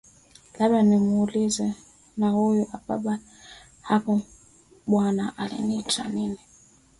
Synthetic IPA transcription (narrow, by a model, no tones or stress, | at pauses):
laɓlanimuːlizɛ | nahujuʔapa̰ɓa | hakɔ | ɓwanaʔalḭnita̰nini